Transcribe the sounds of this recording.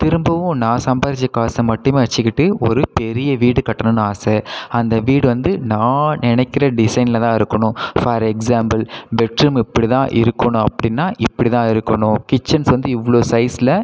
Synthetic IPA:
t̪ɪɾɯmbɐʋʊ̃nãːsɐmbɐɾt͡ʃːɐkaːsɐmɐʈːɯmeːʋɐt͡ʃːɪkːɪʈːɯɔɾɯpɛɾɪjɐʋiːɽɯkɐʈːɐnɐnɯaːsɛɐnd̪ɐʋiːɽɯʋɐnd̪ɯnãːnɪnɛɪkːɪɾɐɖɪsɐɪnɪlɐt̪ãːɪɾɯkːɐɳʊ̃fɐɾɛksaːmbɐlbɛʈɾɯmɪpːɐɽit̪ãːʔɪɾɯkːɐɳʊ̃ɐpːɐɽɪnːaːʔɪpːɐɽit̪ãːɪɾɯkːɐɳʊ̃kɪt͡ʃːɐnsʋɐnd̪ɯɪʋːɐɭoːsɐɪsɪlɐ

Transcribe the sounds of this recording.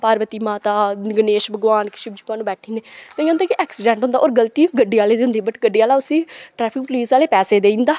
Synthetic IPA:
paːɾʋət̪iːmaːt̪aːɡəneːʃbəɡʋaːnkɪ̥ʃɪb̚d͡ʒʊkaːnũːbɛːʈʰĩːnd̪eːt̪eːãːnd̪aːkiʔɛːksɪɖɛ̃ːɳʈɦʊnd̪aːʔoːɾɡəlt̪iːɡəɖːiːaːleːd̪iɦʊ̃nd̪iːbəʈɡəɖiːaːlaːʊsĩːʈɾɛːpʰɪk̚pliːsaːleːpɛːseːd̪eːĩːnd̪aː

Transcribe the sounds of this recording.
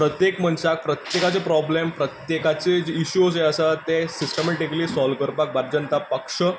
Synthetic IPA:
pɾət̪jekmənsak̚pɾət̪jekat͡sepɾɔblempɾət̪jekat͡sed͡ʑeiɕueəsat̪esisʈəmeʈikliːsɔlkəɾpak̚baɾd͡ʑənt̪apəkʂə

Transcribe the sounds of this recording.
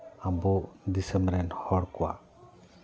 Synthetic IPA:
abɔd̪isɛmbɾɛnhɔɽkɔwa̰

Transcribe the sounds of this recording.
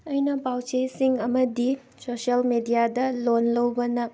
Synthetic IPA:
ɐjnɐpawt͡ʃejsiŋɐmɐdi | sosɐlmedijadɐlonlɐwbɐnɐk̚

